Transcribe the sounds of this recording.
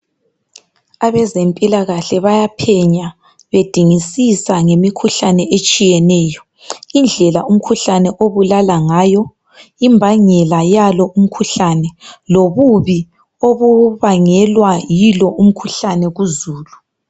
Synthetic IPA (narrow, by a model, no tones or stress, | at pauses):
aβɛzempʼilaɣaɬɛβajapʰɛɲa | βed̥ʱiŋisisaŋemikʰuɬanɛʔet͡ʃʼijɛnɛːjɔ | ind͡ɮʱɛlaʔum̩kʰuɬanɛʔoβulalaŋaːjɔ | imbʱaŋɛlajalɔʔum̩kʰuɬanɛloβuβi | oβuβaŋɛlwajilɔʔum̩kʰuɬanɛɣuzuːlu